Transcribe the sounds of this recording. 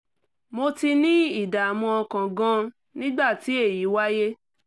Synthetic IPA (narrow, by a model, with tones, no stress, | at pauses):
mo˧ti˧nĩ˦i˦˨da˨a˨mɔ̃˧ɔ˧kã˨ɡã˦ | nĩ˦ɡ͡ba˦˨ti˨˦e˦˨ji˨˦wa˦je˦